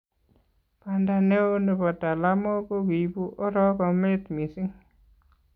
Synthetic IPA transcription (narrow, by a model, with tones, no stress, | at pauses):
pa˨nda˨ne˦o˦ne˨bɔ˨ta˨la˦mo˦ko˦wi˨bu˦ʔɔ˦ɾɔ˦kɔ˨me˦t̪mi˨si˦ŋ